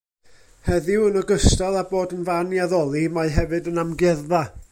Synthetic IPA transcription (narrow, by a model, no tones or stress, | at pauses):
hɛðɪwənəɡəstalˠaboːdənvanjaðɔlˠimajɦɛvɨdənamɡɛðða